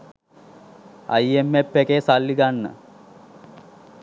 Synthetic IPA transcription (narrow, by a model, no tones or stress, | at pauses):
ɐ̰jemːepːekesalːiɡanːə̰